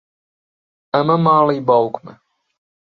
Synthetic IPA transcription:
amamaːlibalukʰmɛ

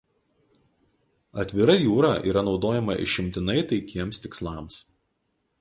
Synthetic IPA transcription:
ɐt̪ʲʋʲɪɾɐjuːɾɑːʔiːɾɐnɒʊd̪oːjɛmɐʔɪ̰ʃʲɪmʲt̪ʲɪnɐɪt̪ɐɪkʲiɛmst̪ʲɪkslˠɑˑms

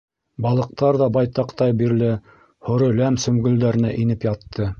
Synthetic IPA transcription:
bɑlˠɤ̆q̚t̪ɑɾðɑbɑjt̪ɑqt̪ɑjbiɾlɘ | hŏɾɤ̆læmsɵ̆mɡɵ̆ld̪æɾɘ̆næʔinɘpjɑt̪ʰːɤ

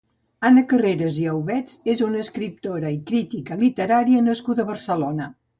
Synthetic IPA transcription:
anəkəreɾəziəwβɛt͡sezunəːskɾip̚t̪oɾəikɾit̪ikəlit̪əɾaɾiənəskud̪əβərsəlonə

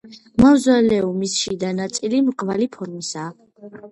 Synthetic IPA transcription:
mavzwalɛumisʃid̪anat̪sʼilimqʼvalipʰɔɾmisaː

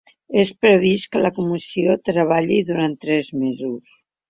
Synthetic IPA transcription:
espɾəβ̞iskələkumisiot̪ɾəβ̞aʎiðuɾant̪ːɾɛzmezus

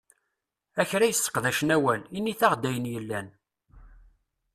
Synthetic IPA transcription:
æçɾæjəsːə̥qðæʃənæwælinːiθaʁd̪æjənjəlːæn

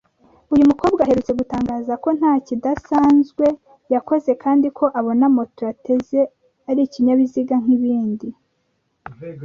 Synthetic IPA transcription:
ujumuko̞ːbɡaaɦe̞ɾut͡se̞ɡutaːŋɡaːzako̞n̥haːcidasaːnzɡwe̞ | jako̞ze̞kaːndikʰo̞ʔaβo̞namo̞toate̞ze̞ | aɾiciɲaβiziɡaŋ̥iβiːndi

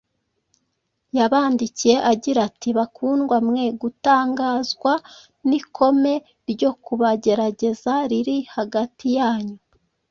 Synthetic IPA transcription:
jaβaːndicije̞ʔaɟiɾatʰiβakuːnɡwamŋe̞ɡutaːŋɡaːzɡwa | nikʰo̞me̞ | ɾɟo̞kuβaɟe̞ɾaɟe̞zaɾiɾihaɡatijaːɲu

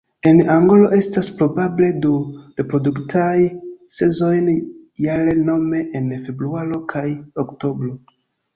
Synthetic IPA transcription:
enaŋɡo̞lo̞ʔe̞staspɾo̞bable̞dulepɾo̞duktʰajse̞zo̞jnjaɾe̞no̞me̞ʔenfe̞bɾuaɾo̞kʰajokto̞bɾo̞

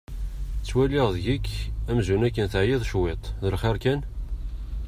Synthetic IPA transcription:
t͡sːwælɪʁðʝikːæmzunækːənθəʕjɪðˤʃwet̪ˤðəlχeɾkæn

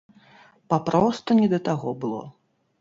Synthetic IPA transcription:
papɾɔst̪unʲɛd̪ɐt̪aɣɔbɨlˠɔ̰

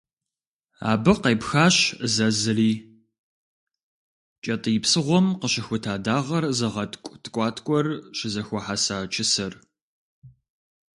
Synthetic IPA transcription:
a̰ːbɨqejpxaːʃzɐzɨriː | t͡ʃʼɐtʼɨjɪpsɨʁʷɔmqəɕɪxʷʊtʰaːdaːʁɐrzɐʁɐtkʷʼtʰkʷʼɑːtʰkʷʼɔrɕɪzɐxʷɔħasaːt͡ʃʰɪsɐr

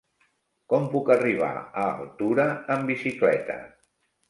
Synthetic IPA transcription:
kɔmpukəriβ̞a̰əːlˠt̪uɾəːmbisiklɛt̪ə̰

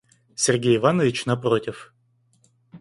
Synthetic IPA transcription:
sʲɪrɡʲejɪvanəvʲɪt͡ɕnɐpɾotʲɪf

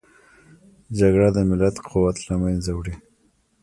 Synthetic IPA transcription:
d͡ʒaɡɽad̪əmɪlat̪qʰʊwat̪lamanzawɽi

